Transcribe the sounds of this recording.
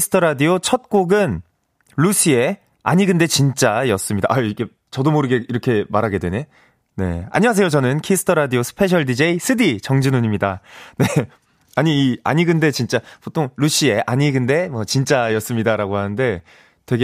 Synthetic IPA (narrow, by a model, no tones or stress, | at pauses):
sʰɯ̥tʰʌɾadiot͡ɕʰʌt̚k͈oɡɯn | ɾuɕʰie̞ | a̰ɲiɡɯnde̞t͡ɕint͡ɕ͈ajʌs͈ɯmɲida̰ʔaike̞ | t͡ɕʌdomoɾɯɡe̞iɾʌkʰe̞maɾɦaɡe̞dwe̞ne | ne̞̰a̰ɲiwas̬ʰe̞jot͡ɕʌnɯnkʰisʰɯ̥tʰʌɾadiosʰɯ̥pʰe̞ɕʰʌɭdid͡ʑe̞isʰɯdit͡ɕʌŋd͡ʑinoɲimɲidane̞ | aɲiːa̰ɲiɡɯnde̞t͡ɕint͡ɕ͈apotʰoŋɾuɕ͈ʰie̞ʔaɲiɡɯnde̞mwʌt͡ɕint͡ɕ͈ajʌs͈ɯmɲidaɾaɡoɦanɯnde̞ | twe̞ɡe